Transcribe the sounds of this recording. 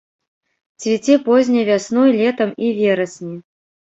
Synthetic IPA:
t͡sʲvʲit͡sʲɛpɔzʲnʲɐjvʲasnɔjlʲɛt̪ɐmivʲɛɾɐsʲnʲi

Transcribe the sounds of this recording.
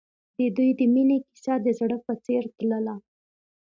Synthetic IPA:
d̪əd̪ujd̪əmineki̥sɑd̪əzɽəpət͡seɾt̪ləla

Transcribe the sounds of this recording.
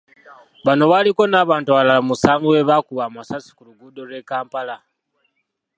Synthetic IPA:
βano̞βaliko̞naːβaːntuβalaamusaːŋɡoweβakuβamasasi̥kuluɡudo̞ɾekaːmpala

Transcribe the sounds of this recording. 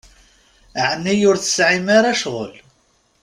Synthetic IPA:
ʕnːijʊɾθə̥sʕimaɾaʃʁəl

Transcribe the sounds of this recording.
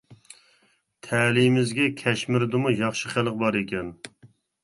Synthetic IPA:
t̪ʰɛːlimɪzɡʲɛkʲʰɛʃmɪɾd̪ɨmujɑχʃəχælˠəqbɑɾekʲɛn

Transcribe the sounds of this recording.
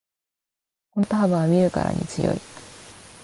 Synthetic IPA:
kont̪oɦabaβamʲiɾɯ̟ka̰ɾa̰ɲ̟it͡sɨjo̞̰i

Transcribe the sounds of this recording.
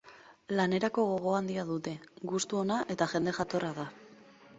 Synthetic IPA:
lane̞ɾako̞ɣ̞o̞ɣ̞o̞and̪iaðut̪e̞ɡust̪uo̞naʔe̞t̪aʝe̞nd̪e̞ʝat̪o̞raða

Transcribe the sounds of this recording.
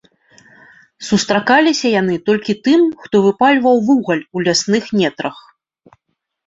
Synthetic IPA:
sust̪ɾakalʲisʲɐjanɨt̪ɔlʲkʲit̪ɨmxt̪ɔvɨpalʲvɐwvuɣɐlʲulʲasnɨxmʲɛt̪ɾɐx

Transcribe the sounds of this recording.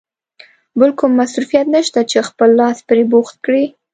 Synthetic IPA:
bəlkʊmːasɾufijat̪nəʃt̪at͡ʃexpəlːɑspɾeboxt̪̚kɽi

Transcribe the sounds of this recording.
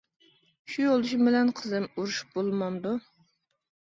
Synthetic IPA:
ʃujolˠuʃ̬bɪlɛnqʰəzɨmuɾuʃu̥p̚bolˠmɑmd̪u

